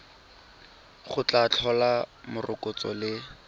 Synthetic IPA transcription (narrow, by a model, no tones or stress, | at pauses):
χʊt͡ɬat͡ɬʰɔlamʊrʔʊkʼʊt͡sɔ̰lɪ